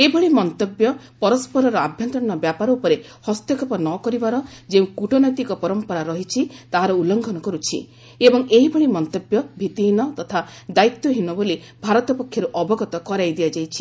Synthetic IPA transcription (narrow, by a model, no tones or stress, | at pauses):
ebɔɭimɔnt̪objɔ | pɔɾɔspɔɾɔɾɔabʱjɔnt̪ɾɔ̃ɔbjapaɾɔupɔɾehɔst̪jɔkʰɔpɔnɔkɔɾibaɾɔd͡ʒeũkuʈɔnɔjt̪ikɔpɔɾɔmpɔɾaɾɔɦit͡ʃʰit̪aɦaɾɔulɔŋɡʱɔnɔkɔɾut͡ʃʰḭ | ebɔŋeɦibɔɭimɔnt̪objɔbʱit̪iɦinɔt̪ɔt̪ʰad̪ait̪jɔɦinɔboli | bʱaɾɔt̪ɔpɔkʰːjɔɾuʔɔbɔɡɔt̪ɔkɔɾajd̪iad͡ʒajt͡ʃʰi̥